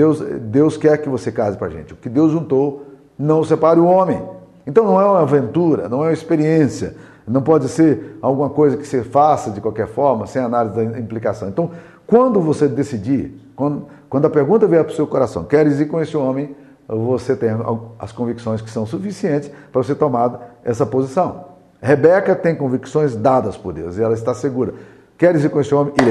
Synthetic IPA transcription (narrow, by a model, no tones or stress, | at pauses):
d̪ewsd̪ewskɛɾkɪvosekazɪpɾa̰ʒḛ̃nt͡ʃɪʊkɪd̪ewzʒũnt̪ow | nɐ̃w̃sepaɾɪʊõmẽj̃ẽnt̪ɐ̃w̃nɐ̃w̃ɛũmɐavẽnt̪uɾɐ̰nɐ̃w̃ɛũmɐispeɾiẽsiɐ̰ | nɐ̃w̃pɔd͡ʒɪseɾawɡũmɐkojzɐkɪ̥sɪfasɐd͡ʒɪkwawkɛɾfɔɾmɐsẽj̃analizɪd̪ɐĩmplikasɐ̃w̃ẽt̪ɐ̃w̃ | kwɐ̃nd̪ʊvosed̪esid͡ʒikwɐ̃d̪ | kwɐ̃nd̪ʊɐpeɾɡũt̪ɐvejɐpɾʊsewkoɾasɐ̃w̃kɛɾizikõest͡ʃɪõmẽj̃ | voset̪ẽj̃a̰ɐ̰skõviksõj̃skɪ̥sɐ̃w̃sufisiẽnt͡ʃɪ̥spɾɐvos̬eɾt̪omad̪ɐɛsɐpozisɐ̃w̃ | hebɛkɐt̪ẽj̃kõviksõj̃zd̪ad̪ɐspʊɾd̪ḛwzɪɛlɐɪst̪aseɡuɾɐ | kɛɾiziɾkõest͡ʃɪõmẽj̃iɾ